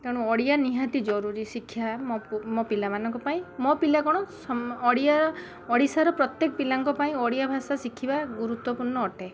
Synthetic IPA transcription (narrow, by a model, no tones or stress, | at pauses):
keɽũɔɽijaniɦat̪id͡ʒɔɾuɾisikʰːjamɔmɔpilamanɔŋkɔpaĩmɔpilakɔɽ̃ɔsɔɔɽija | ɔɽisaɾɔpɾɔt̪jekɔpilaŋkɔpaĩɔɽijabʱasasikʰibaɡuɾut̪wɔpuɾɳɔːʈʰe